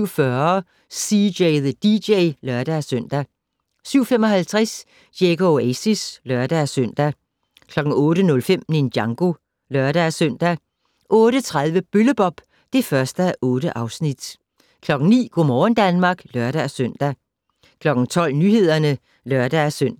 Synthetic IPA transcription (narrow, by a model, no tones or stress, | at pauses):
ʊ̰fɶɐ | sijeɪðəd̥ideɪlɶɐd̥ææsøn̰d̥æ | syʊfemɒhælt͡sʰʁas | jeɡ̥oesislɶɐd̥æsøn̰d̥æ | kʰlɒ̽ɡ̥ŋ̩ɔ̽ːɾənɔ̽lfem̰nendjɑ̈ŋɡ̥o̝ | lɶɐɾ̥æsøn̰d̥æ | ʔɔ̽ːɾ̥ət͡sʰʁaðˠʋəb̥øləb̥ɒ̽b̥ | d̥e̝fɶɐsd̥əæʔɔ̽ːɾəʔɑ̈ʊsnid̥ | kʰlɒ̽ɡ̥n̩nḭːɡ̥omɒːn̩d̥ænmɑ̈ɡ̥lœɐɾ̥æsøn̰d̥æ | kʰlɒ̽ɡ̥n̩t͡sʰɒ̽l̰nyhe̝ð̞̰ˠɐnə | lɶɐd̥ææsøn̰